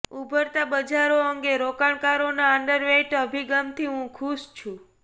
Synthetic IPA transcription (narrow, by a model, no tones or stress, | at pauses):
ubʱəɾt̪abəd͡ʒaɾoəŋɡeɾokaɳ̃kaɾonaəɳɖəɾʋeʈəbʱiɡamt̪ʰiɦũkʰuʃt͡ʃʰũ